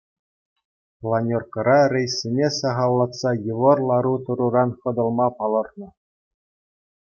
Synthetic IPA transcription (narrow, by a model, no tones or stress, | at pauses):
plˠɑnʲorkɤ̆ɾɑrʲĕjsʲːenʲesɑʁɑlˠːɑt̪sɑjɤ̆ʋɤ̆rlˠɑɾut̪ɤ̆ɾuɾɑnχɤ̆d̪ɤ̆lˠmɑpɑlˠɤ̆rnɤ̆